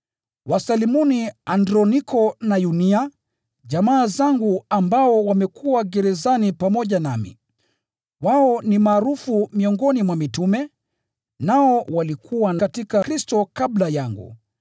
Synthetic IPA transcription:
wasalimɔniandɾɔnikʰɔnajunia | ʄamaːzaŋɡuambaɔwamɛkʰuwaɡɛɾɛzanipamɔʄana̰mḭ | waɔnimaːɾufumiɔŋɡɔnimwamitumɛ | naɔwalikʰuwanakatikakɾistɔkablajaŋɡṵ

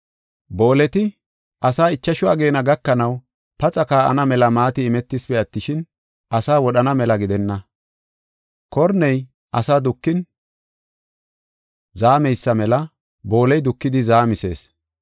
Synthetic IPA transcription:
bo̞ːlɛt̪ɪ | ʔɐsaːɪt͡ʃːɐʃʊa̰ːɡe̞ːnɐɡɐkːɐnɐw | pɐt͡sʼɐkaːʔɐ̰nɐmɛlɐmaːt̪ɪːmɛt̪ːɪspɛɐt̪ːɪʃɪn | ʔɐsaːwɔɗɐnɐmɛlɐɡɪd̪ɛnːɐ | kɔɾnɛj | ʔɐsaːd̪ʊkːɪn | zaːmɛjsːɐmɛlɐ | bo̞ːlɛjd̪ʊkːɪd̪ɪzaːmɪse̞̰ːs

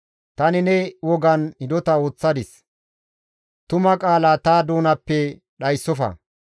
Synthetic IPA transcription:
t̪ɐnɪnɛwɔɡɐnɪd̪ɔt̪ɐo̞ːt͡sːɐd̪ɪs | t̪ʊmɐkʼaːlaːt̪aːd̪oːnɐpːɛ | ɗɐjsːɔfɐ̰

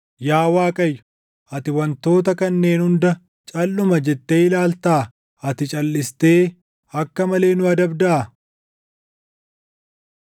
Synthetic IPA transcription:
jaːwaːkʼɐjːʊ̥ | ʔɐt̪ɪwɐnt̪o̞ːt̪ɐkɐnːe̞ːnhʊnd̪ɐ | t͡ʃʼɐlːʊmɐd͡ʒɛt̪ːeːɪlaːlt̪aː | ɐt̪ɪt͡ʃʼɐlːɪst̪e̞ː | ɐkːɐmɐle̞ːnʊɐd̪ɐbd̪ɐʔɐ

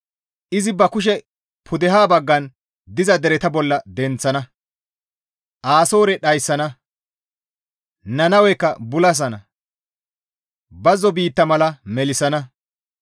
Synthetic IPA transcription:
ʔɪzɪbɐkʊʃ̬ɛ | pʰʊd̪ɛɦaːbɐɡːɐn | d̪ɪzɐd̪ɛɾɛt̪ɐbɔlːɐd̪ɛnt͡sːɐnɐ | ʔaːsoːɾɛɗɐjsːɐnɐ | nɐnɐwɛkːɐbʊlɐs̬ɐnɐ | bɐzɔbiːt̪ːɐmɐlɐmɛlɪsɐnɐ

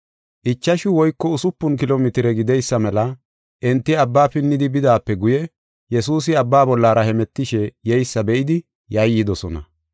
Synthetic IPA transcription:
ʔɪt͡ʃːɐʃɪwɔjkːɔʊsʊpːʊnkɪloːmɪt̪ɪɾɛɡɪd̪ɛjsːɐmɛlɐ | ʔɛnt̪ːɪɐbːaːpɪnːɪd̪ɪbɪd̪aːpːɛɡʊjɛ | jɛsuːs̬ɪɐbːaːbɔlːaːɾɐhɛmɛt̪ːɪʃɛjɛjsːɐbɛʔɪd̪ɪ | jɐjːɪd̪ɔsɔnɐ̰

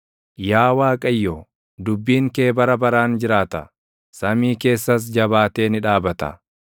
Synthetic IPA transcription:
jaːwaːkʼɐjːo | d̪ʊbːiːŋke̞ːbɐɾɐbɐɾaːnd͡ʒɪɾaːt̪ɐ̰ | sɐmiːke̞ːsːɐs̬d͡ʒɐbaːt̪e̞ːnɪᶑaːbɐt̪ɐ̰

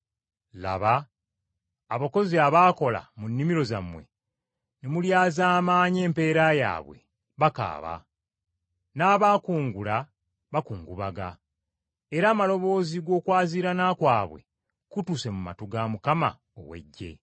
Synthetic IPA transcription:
la̰βa | βako̞ziaβaːko̞la̰munːimiɾo̞zamwe̞̰ | nemuljaːzaːmaːɲe̞ːmpe̞ːɾaja̰ːβwe̞̰ | βaka̰ːβa̰ | naːβaːkuːŋɡula | βakuːŋɡuβaɡa̰ | eɾaːmalo̞βo̞ːziɡo̞ːkwaːziɾanaːkwaːβwe̞̰ | kutuse̞muma̰tuɡamukama̰ | o̰we̞̰ɟːḛ

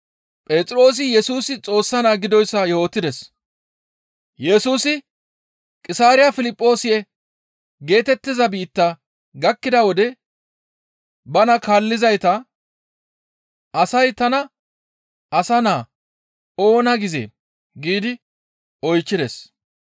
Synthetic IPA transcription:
pʼeːt͡sʼɾo̞ːs̬ɪjɛsuːsɪt͡sʼo̞ːsːɐnaːɡɪd̪ɔjsːɐjo̞ːt̪ːɪd̪ɛs | jɛsuːsɪ | kʼɪsaːɾɪjɐfɪlɪpʼːo̞ːsɪjɛ | ɡe̞ːt̪ɛt̪ːɪzɐbiːt̪ːɐ | ɡɐkːɪd̪ɐwɔd̪ɛ | bɐnɐkaːlːɪzɐjt̪ɐ | ʔɐsɐjt̪ɐnɐ | ɐsɐnaː | o̞ːnɐɡɪzḛː | ɡiːd̪ɪ | ɔjt͡ʃːɪd̪ɛs

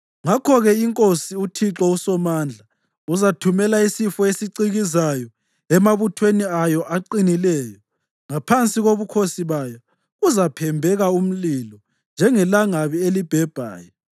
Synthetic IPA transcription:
ŋakʰɔɣɛiŋkʼosiutʰiǁɔusɔmaːnd͡ɮʱa | uzatʰumɛlaisifɔesiǀiɣizajɔ | ɛmaβutʰweniajɔʔaǃinilɛːjɔ | ŋapʰant͡sʼiɣoβukʰosiβajɔ | ɣuzapʰɛmbʱɛɣaum̩lilɔ | nd͡ʒʱɛŋɛlaŋaβielib̥ʱɛb̥ʱa̰ːjɔ

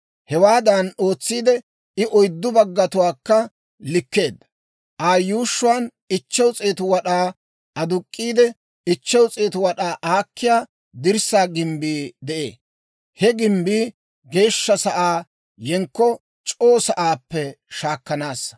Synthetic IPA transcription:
hɛwaːd̪ɐno̞ːt͡sːiːd̪ɛ | ɪʔɔjd̪ːʊbɐɡːɐt̪ʊwaːkːɐ | lɪkːe̞ːd̪ɐ | ʔaːjuːʃːʊwaːn | ɪt͡ʃːɛwt͡sʼeːt̪ʊwɐɗaː | ʔɐd̪ʊkʼːiːd̪ɛ | ɪt͡ʃːɛwt͡sʼeːt̪ʊwɐɗaːʔaːkʰːɪjaː | d̪ɪɾsaːɡɪmbiːd̪ɛʔḛː | hɛɡɪmbiː | ɡe̞ːʃːɐsɐʔaː | jɛŋkːɔ | t͡ʃʼo̞ːsɐʔaːpːɛ | ʃaːkːɐnaːs

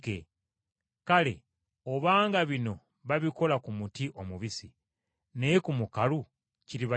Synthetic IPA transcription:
kḛ | kale̞̰ | oβaːŋɡaβino̞ | βaβiko̞lakumutiʔo̞muβisi | nekumukalu | ciɾiβa

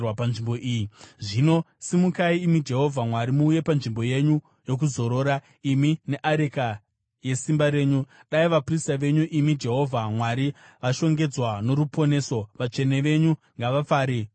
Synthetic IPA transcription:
wapanʐimbo̞ʔijiʐino̞ | simukaiːmid͡ʒe̞ɦo̞vʱamwaɾimuːje̞panʐimbo̞je̞ɲu | jo̞k̬uzo̞ɾo̞ːɾa | imine̞ʔaɾeka | je̞simbaɾe̞ːɲuɗaiʋapristaʋe̞ɲuʔimid͡ʒe̞ɦo̞vʱamwaɾi | ʋaʃo̞ŋɡe̞d͡zwano̞ɾupʰo̞ne̞ːso̞ʋat͡ʃe̞ne̞ʋe̞ɲu | ŋɡaʋap͡faːɾe

